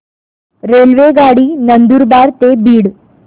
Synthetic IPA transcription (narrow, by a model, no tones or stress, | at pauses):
ɾelʋeɡaɽiːnənd̪uɾbaɾt̪ebiːɽ